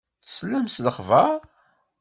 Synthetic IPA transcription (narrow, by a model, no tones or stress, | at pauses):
səlːæmsləχvə